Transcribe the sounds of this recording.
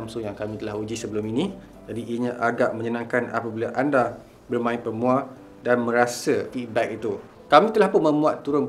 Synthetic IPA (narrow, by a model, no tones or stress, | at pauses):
msʊŋjaŋkamĩt̪əlaɦud͡ʒisəbəluminĩ | d͡ʒadiːəɲãʔaɡaʔmə̃ɲənãŋkana̰pabilaʔanda | bərmãɪ̃ʔ̪pəmũa | danmə̃ɾasəfit̪̚bɛk̚it̪u | kamĩt̪əlahpʊnmə̃mũat̪ːuɾʊn